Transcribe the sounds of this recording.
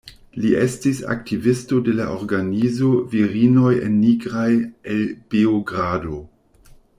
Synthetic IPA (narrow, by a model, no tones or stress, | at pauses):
liʔestisa̰k̚tivisto̞de̞laʔo̞ɾɡanizo̞viɾino̞jḛnːiɡɾajelb̥ioɡɾado̞